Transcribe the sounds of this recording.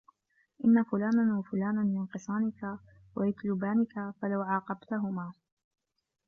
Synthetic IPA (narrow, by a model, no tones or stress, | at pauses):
ʔɪnːafʊlaːnawafʊlaːnamɪnqɨsˤɑːnɪka | wajat̪lʊbaːnɪkafalawʕɑːqɑbt̪aɦʊmaː